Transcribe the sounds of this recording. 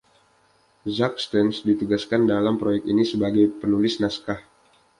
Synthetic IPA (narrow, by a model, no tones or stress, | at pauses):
zak̚st̪ənsdit̪uɡaskandalampɾojɛk̚t̪inisəbaɡajpənulɪsnaskah